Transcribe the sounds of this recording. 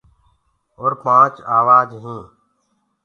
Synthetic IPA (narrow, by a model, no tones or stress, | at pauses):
oːɾpãːt͡ʃaːʋaːd͡ʒɦĩː